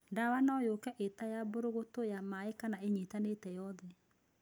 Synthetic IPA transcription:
ndawanɔjokɛʔetajaboɾoɣotojamaekanaeɲitanetɛjɔðɛ

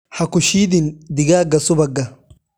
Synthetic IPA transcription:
hɐkʊʃiːd̪ɪnd̪ɪɡaːɡɐsʊbɐɡɐ

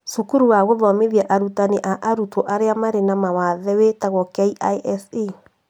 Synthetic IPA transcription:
sukuɾuwaɣoðɔmeðjaʔaɾutaneʔaʔaɾutɔʔaɾeamaɾenamawaðɛwetaɣɔkaiʔaʔɛsi

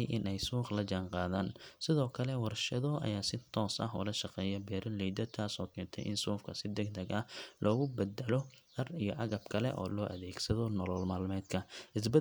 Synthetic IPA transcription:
jʔɪnʔɛjsuːqlɐt͡ʃaːnqɑːðaːnsɪðɔːkʰɐlɛwɑrʃɐðɔʔɐ̰jaːsɪt̪ʰɔːsɐ̰ɦʊ̰lɐʃɑqɛːjɐbɛːɾɐnlɛjd̪ɐt̪ʰaːsɔːkʰɛːnt̪ʰɛ̰jʔɪ̰nsuːfkʰɐsɪd̪ɛɡd̪ɐɡɐlʔɔːɣʊbɛd̪ɛlɔ | ɐrijɔʔɐɣɐbkʰɐlɛ̰ʔɔ̰ːlɔːʔɐðɛːɡsɐðɔnɔlɔːlmaːlmɛːd̪kʰɐʔɪs̬bɐ

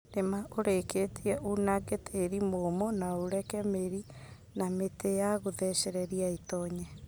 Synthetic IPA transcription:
nemaʔoɾeketʰiɛʔunaɡetʰeɾimomɔnaoɾɛkɛmeɾi | nametejaɣoðɛɕɛɾɛɾiaetɔɲɛ

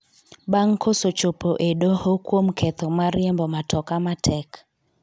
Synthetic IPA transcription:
baŋkʰosot͡ʃopoʔeɗohokwomkʰet̪omaɾɪembɔmatʰɔkamatʰɛk

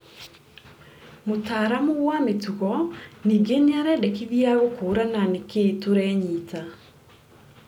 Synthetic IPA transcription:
motaːɾamoɣwametuɣɔniːɡeneaɾɛdɛkiðiaɣokoːɾananeketoɾɛɲiːta

